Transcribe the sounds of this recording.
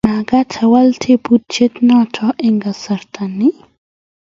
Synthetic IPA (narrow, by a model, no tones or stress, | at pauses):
maɡatʰawalt̪ʰebut̪̚t͡ʃet̪nɔtʰɔʔɛŋɡasaɾt̪ʰanːi